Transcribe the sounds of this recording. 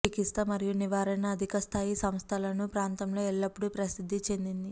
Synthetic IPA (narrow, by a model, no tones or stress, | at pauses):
ikist̪ɐmɐɾijuniʋaːɾɐnɐːd̪ʱikɐst̪ʰaːjisɐmst̪ʰɐlɐnupɾaːnt̪ɐmlo̞ːɛɭːɐpːuɽupɾɐsid̪ʱːit͡ʃe̞nd̪ind̪i